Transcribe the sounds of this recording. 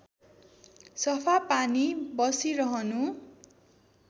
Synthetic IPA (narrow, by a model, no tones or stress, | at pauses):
sʌpʰapanibʌsiɾʌɦʌnu